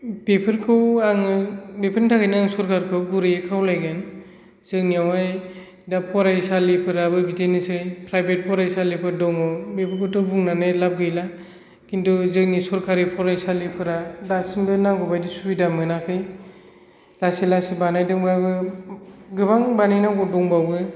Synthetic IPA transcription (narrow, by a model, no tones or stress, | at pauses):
bepʰɯɾkʰɯwaŋɯbepʰəntʰakʰajnaŋsɔɾkʰaɾkʰɯwɡuɾɯjɯkʰawlajɡan | zɯŋniawaj | dapʰɔɾajsalipʰɯɾabɯɡitʰenɯsɯjpʰɾajbet̚pʰɔɾajsalipʰɯɾdɔŋɔbepʰɯɾkʰɯwtʰɯwbuŋnanajlap̚ɡɯjla | kintʰuzɯŋnisɔɾkʰaɾipʰɔɾajsalipʰɯɾadasinbɯnaŋɡɔbajdisuidamɯnakʰɯj | lasilasibanajdɯŋbabɯ | ɡɯbaŋbanajnaɡɔdɔŋbawɡɯ